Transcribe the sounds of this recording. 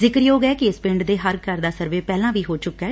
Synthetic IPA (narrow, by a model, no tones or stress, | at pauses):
zɪkɾjoːɡɛːkɪɪspɪ̃ɳɖd̪eːɦəɾkəɾd̪aːsəɾʋeːpɛːlãːʋiːɦoːt͡ʃʊkːɛː